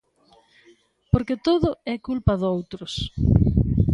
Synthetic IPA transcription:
poɾket̪oðʊɛkulpɐðowt̪ɾʊs

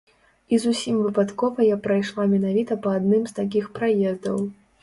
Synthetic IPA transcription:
izusʲimvɨpat̪kɔvɐjapɾajʂlˠamʲɛnavʲit̪ɐpɐːd̪̚nɨmst̪ak̬ʲixpɾajɛzd̪ɐw

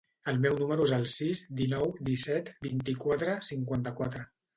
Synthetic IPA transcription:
əlˠmɛwnuməɾuezəlˠsizd̪inɔwd̪isɛt̪bint̪ikwat̪ɾəsiŋkwant̪əkwat̪ɾə

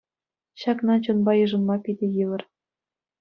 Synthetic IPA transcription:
ɕɑknɑt͡ɕunbɑjɤ̆ʐɤ̆nmɑpʲidʲĕjɯʋɤ̆r

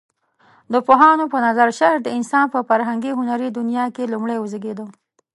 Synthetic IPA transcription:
d̪əpoɦɑnopənazaɾʃaɾ̚d̪əɪnsɑnpəfaɾɦaŋɡiɦʊnaɾid̪ʊnjɑkelumɽajwʊzəɡed̪ə

